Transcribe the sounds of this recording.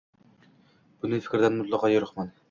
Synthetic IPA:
b̥ʊnɪfɪ̥kʲɾd̪ænmʊt̪lˠɑqɑjoɾəχmɑn

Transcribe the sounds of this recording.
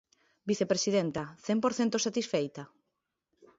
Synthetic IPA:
biθepɾesiðent̪ɐθɛmpoɾθent̪osat̪isfejt̪a

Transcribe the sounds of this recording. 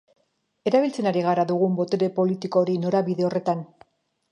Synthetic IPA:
e̞ɾaβilt͡se̞naɾiɣ̞aɾaðuɣ̞umbo̞t̪eɾe̞po̞lit̪iko̞ːɾino̞ɾaβiðe̞o̞re̞t̪an

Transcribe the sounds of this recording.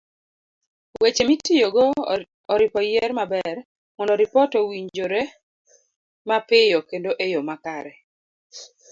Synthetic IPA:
wet͡ʃemitijoɡo | ɔɾɪpɔjɛɾmabɛr | mɔndɔɾɪpɔtɔwiɲd͡ʒoɾe | mapɪjokendoʔejomakaɾɛ

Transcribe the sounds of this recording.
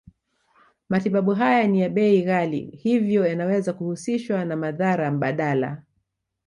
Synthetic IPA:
matiɓaɓuɦajanijaɓɛiɣalḭhivjɔjanawɛzakuhusiʃwanamaðaɾam̩ɓaɗala̰

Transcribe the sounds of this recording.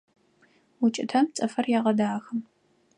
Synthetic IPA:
wʊt͡ʃʼɪtʰɐmt͡sʼɐfɐrjaːʁɐdaːxɨm

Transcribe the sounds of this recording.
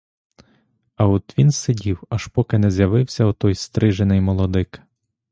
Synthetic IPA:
ɐut̪ʋʲinsɪdʲiwɐʃpɔkɪnɛzjɐʋɪwsʲɐut̪ɔjst̪ɾɪʒenɪjmɔlˠɔd̪ɪk

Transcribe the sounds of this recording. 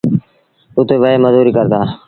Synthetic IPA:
ʊt̪eːʋəeːməzuːɾiːkəɾt̪aː

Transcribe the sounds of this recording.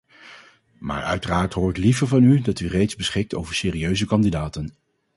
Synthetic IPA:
ma̰ːɹœ̰ɥtəraːɹtɦʊːɹɪklivəɹvɑnydɑtyrejdzbəsχɪk̚to̰wvəɹseːriøɥzəkɑndidaːtən

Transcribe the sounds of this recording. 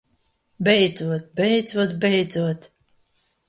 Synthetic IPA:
bɛjd̪zuɔt̪̚bɛjd̪zuɔt̪bɛjd̪zuɔt̪

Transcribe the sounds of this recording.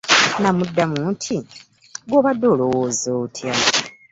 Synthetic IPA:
namudːamuntʰi | ɡoːβadːoːlowwozoːtʰja

